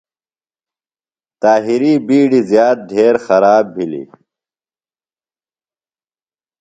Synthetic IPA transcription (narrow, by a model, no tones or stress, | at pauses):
t̪aːɦiɾiːbiːɽizjaːt̪̚d̪ʱeːɾxɐɾaːbːʱilḭ